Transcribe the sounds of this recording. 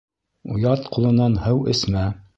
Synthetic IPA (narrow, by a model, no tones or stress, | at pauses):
ṵjɑt̪qulˠɤ̆nɑnhɤwɘ̆smæ